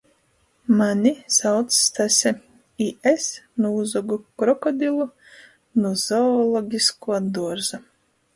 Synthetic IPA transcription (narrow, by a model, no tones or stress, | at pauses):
manʲisawt̪sːt̪asʲɛ | iʔesnuːzɔɡukɾɔkɔd̪ʲilˠu | nuzɔːlˠɔɡʲiskuɔd̪uɔɾza